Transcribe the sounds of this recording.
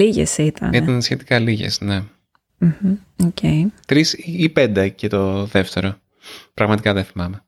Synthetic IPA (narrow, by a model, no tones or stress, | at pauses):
liʝḛsit̪ʰɐ̰niɐnsçe̞t̪i̥kɐliʝḛsne̞ | m̩hm̩ | oceit̪ɾisiipend̪ecet̪o̞ðe̞ft̪e̞ɾo̞ | pɾɐɣmɐt̪ikɐðeθimɐme̞